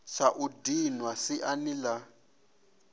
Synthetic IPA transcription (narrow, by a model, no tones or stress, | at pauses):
saʔudinwasɪʔanila